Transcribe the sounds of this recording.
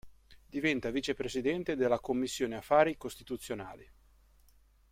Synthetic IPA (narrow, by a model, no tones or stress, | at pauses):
d̪ivɛnt̪avit͡ʃepɾesid̪ɛnt̪ed̪elːakomːisːjoːneafːaːɾikost̪it̪ut̪sːjona̰ːli